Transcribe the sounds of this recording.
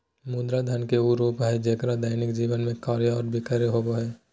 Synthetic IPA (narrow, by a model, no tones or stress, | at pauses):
mũːd̪ɾad̪ʱənkeuːɾoːbʱaːid͡ʒeːkɾad̪aːɪnɪkd͡ʒiːʋənmẽkaːɾjəɔːɾbʱɪkəɾeɦoboɦɛː